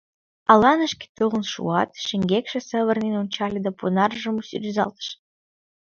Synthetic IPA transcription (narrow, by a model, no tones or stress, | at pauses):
ɑlɑnə̆ʃkʲe̥t̪ɨlə̆nʃṵɑt̪ʃɘ̆ŋʲɡʲekʃĕsə̆βə̆rnenonʲt͡ɕɑlʲed̪ɑpunɑrʒɤ̆musyɾʲyzɑ̰lt̪ə̥ʃ